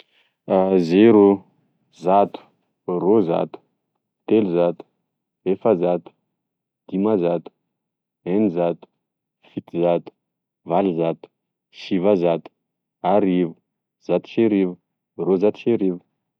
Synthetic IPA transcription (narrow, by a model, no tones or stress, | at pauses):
azeɾu | zat̪u̥ | roza̰t̪u̥ | t̪eluzat̪u̥ | efazat̪u̥ | d̪̥imazat̪u̥ | enizat̪u̥ | fit̪izat̪u̥ | valizat̪u̥ | ʃivazat̪u̥ | aɾivu | z̥at̪u̥ʃeɾivu | rozat̪u̥ʃeɾivu̥